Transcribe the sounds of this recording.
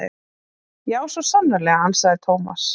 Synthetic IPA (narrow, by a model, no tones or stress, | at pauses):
jaːwsvɔsanːaɾlɛɣaansaɣðɪt̪ʰoːwma̰s